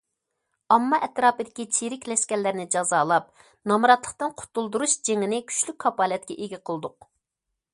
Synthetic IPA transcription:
ɑmːɑʔɛt̪ɾɑːpɨd̪ɪkʲit͡ʃʰiɾɪkʲlɛʃkʲɛlːæɾnɪd͡ʒɑzɑːlˠɑp̚ | nɑmɨɾɑt̪lˠəqt̪ɨnqʰʊ̥t̪ʰːulˠd̪uɾuʃd͡ʒeŋɪnɪkʲʰy̥t͡ʃlykʲkʰːɑpɑːlɛt̪̚kʲɛʔeɡʲiqʰəlˠɨd̪ʊq̚

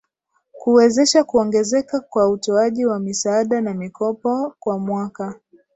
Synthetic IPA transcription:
kuwɛzɛʃakuɔŋɡɛzɛkakwautɔaʄiwamisaaɗanamikɔpɔkwamwaka

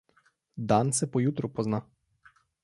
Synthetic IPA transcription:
d̪ansɛpɔjut̪ɾupɔzna

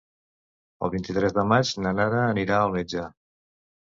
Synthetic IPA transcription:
ə̰lˠβint̪it̪ɾɛzðəmat͡ʃnənaɾəːniɾaəunəd͡ʒa

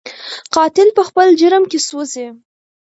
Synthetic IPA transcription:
qɑt̪ɪlpəxpəld͡ʒəɾmkʲesoze

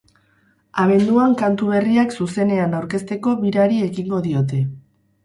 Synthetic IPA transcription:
aβ̞e̞nd̪uaŋkant̪uβe̞riaksuse̞ne̞anawɾke̞st̪e̞ko̞βiɾaɾie̞ɣiŋɡo̞ðio̞t̪̬e̞

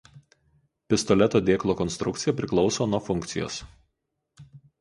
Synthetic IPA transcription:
pʲɪst̪ɔlʲɛt̪oːd̪ʲeːklˠoːkɔnst̪ɾʊk̚t̪sʲɪjɛpʲɾʲɪklˠɒʊsoːnuɔfʊŋʲkt̪sʲɪjo̰ːs

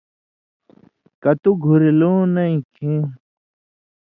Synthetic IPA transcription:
kɐt̪uɡʱuɾiloːnɐĩkʰĩ

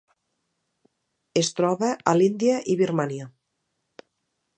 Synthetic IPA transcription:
est̪ɾɔβəʔalind̪iəʔiβirmaniə

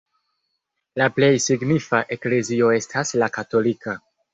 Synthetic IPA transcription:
laple̞jsiɡnifaʔe̞kle̞zio̞e̞stʰaslakato̞lika

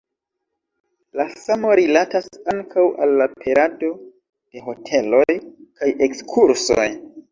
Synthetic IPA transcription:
lasamo̞ɾilatasaŋkʰawʔa̰lːapʰe̞ɾado̞ | d̥e̞ɦo̞tʰe̞lo̞jkaje̞kskʰuɾso̞̰j

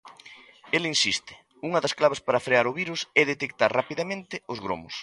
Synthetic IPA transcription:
elinsist̪ɪ̥ | uŋɐðɐsklaβ̞ɐspaɾafɾeaɾʊβiɾusɛðet̪ek̚t̪aɾrapiðamẽnt̪ɪʊzɣɾo̰mʊ̰s

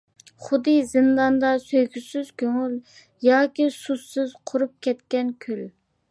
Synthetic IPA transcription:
χʊd̪ɨzɨnd̪ɑnd̪ɑsøjkʲʰysyz̥kʲʰøŋyl | jɑːkʲisusːyz̥qʰʊɾup̚kʲʰɛt̪kʲɛnkʲʰøl

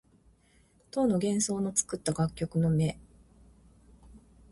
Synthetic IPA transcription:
t̪o̞ːno̞ɡẽ̞ɰ̃so̞ːno̞t͡sɨ̥kɯ̟t̪ːaɡakʲːo̞kɯ̟no̞me̞

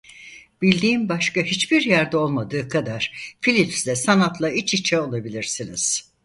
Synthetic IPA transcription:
b̥ilʲd̪iːnbaʃkaɦit͡ʃbiɾjæɾd̪ɛo̞lˠmad̪ɯːkʰad̪aɾ̥filʲipslʲɛsanat̪lˠait͡ʃit͡ʃʰɛo̞lˠabilʲiɾsiniz̥

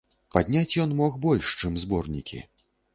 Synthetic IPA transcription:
pad̪ʲnʲat͡sʲjɔnmɔxbɔlʲʂt͡ʂɨmzbɔrnʲḭkʲḭ

